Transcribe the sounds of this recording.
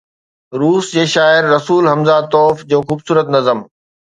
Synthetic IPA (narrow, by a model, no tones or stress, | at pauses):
ɾuːsd͡ʑeːʃaːɪɾːɐsuːlɦɐmzat̪ɔːfd͡ʑoːxuːbsuːɾət̪nɐzəm